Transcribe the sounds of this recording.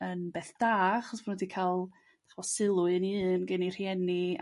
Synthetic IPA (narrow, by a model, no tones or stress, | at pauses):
ənbeːθd̥aːχɔsmanwɛdikʰalˠ | d̥ḁχvɔsɪlˠʊɨniɨːnɡənir̥jɛni